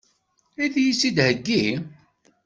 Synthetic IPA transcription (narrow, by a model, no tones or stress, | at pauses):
iðjisːid̪həɡːi